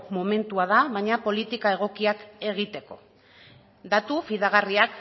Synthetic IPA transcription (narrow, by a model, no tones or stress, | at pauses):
mo̞me̞nt̪uaðaβajɲapo̞lit̪ikae̞ɣ̞o̞kiake̞ɣ̞it̪e̞ko̞̰ | d̪at̪ufiðaɣ̞ariak